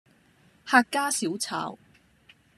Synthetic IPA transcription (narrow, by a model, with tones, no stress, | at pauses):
haː˧kkːaː˥si˨˥wt͡sʰa̰ː˧˩w